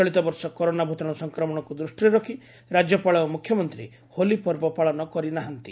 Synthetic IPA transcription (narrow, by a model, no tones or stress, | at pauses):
ɔɭit̪ɔbɔɾsɔkɔɾonabʱut̪ɔɽ̃ɔsɔŋkɾɔmɔɽ̃ɔkud̪ɾusʈiɾɔkʰi | ɾad͡ʒjɔpaɭɔomukʰjɔmɔnt̪ɾḭ | holipɔɾbɔpaɭɔnɔkɔɾinaɦant̪i